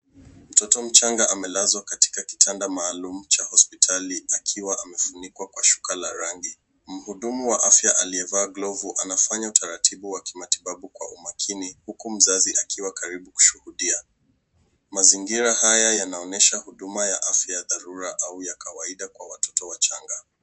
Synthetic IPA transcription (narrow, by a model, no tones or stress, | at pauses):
m̩tɔtɔm̩t͡ʃaŋɡaʔamɛlazwakati̥kaki̥tʰandamaːlum̩t͡ʃahɔspitʰaliakʰiwaʔamɛfunikwakwaʃu̥kalaɾaŋɡi | m̩huɗumuwaʔafjaʔaliɛvaːɡlɔvuʔanafaɲautʰaɾatʰiɓuwaki̥matiɓaɓukwa̰umakʰinihukum̩zaziʔakʰiwakaɾiɓuku̥ʃuhuɗia | maziŋɡiɾahajajanaɔnɛʃahuɗumajaʔafjajaðaɾuɾaʔaujakawaiɗakwawatʰɔ̥tɔwat͡ʃaŋɡa